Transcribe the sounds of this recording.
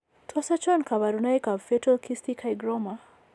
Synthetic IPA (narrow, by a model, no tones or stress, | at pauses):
tʰɔsat͡ʃɔnkaβaɾunajkafɛtɔlkʰistikʰajɡɾɔma